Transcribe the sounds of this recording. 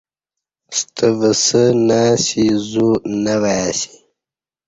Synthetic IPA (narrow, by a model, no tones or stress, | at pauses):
st̪ʰəvəsənasizunawajasi̥